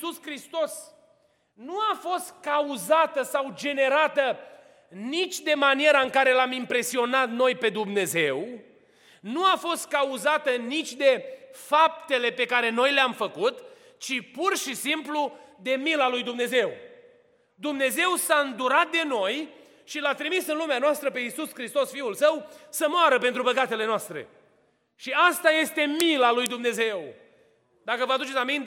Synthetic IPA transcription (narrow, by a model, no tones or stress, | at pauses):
uskɾist̪o̞s | nuafo̞st̪̚kauzat̪əsawd͡ʒe̞ne̞ɾat̪ə | nit͡ʃʲd̪e̞manije̞ɾaɨŋkaɾe̞lamimpɾe̞sio̞nat̪no̞jpe̞d̪umne̞ze̞w | nuafo̞st̪̚kauzat̪ənit͡ʃʲd̪e̞fap̚t̪e̞le̞pe̞kaɾe̞no̞jleamfəkut̪ | t͡ʃipurʃisimplud̪e̞milalujd̪umne̞ze̞w | d̪umne̞ze̞wsaɨnd̪uɾat̪̚d̪e̞no̞j | ʃilat̪ɾimisɨnlumeanoast̪ɾəpe̞isuskɾist̪o̞sfiulsəwsəmoaɾəpe̞nt̪ɾubəkat̪e̞le̞noast̪ɾe̞̰ | ʃiast̪aje̞st̪e̞milalujd̪umne̞ze̞w | d̪akəvəad̪ut͡ʃesamint̪